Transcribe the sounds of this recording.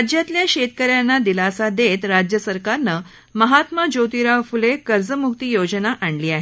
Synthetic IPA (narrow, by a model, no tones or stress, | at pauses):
d͡ʑjat̪ljaɕet̪̚kəɾjanːad̪ilasad̪et̪ɾad͡ʑjəsəɾkaɾnə | məɦat̪məd͡ʑot̪iɾaʋfulekəɾd͡zəmuk̚t̪ijod͡ʑənaʔaɳliːaɦe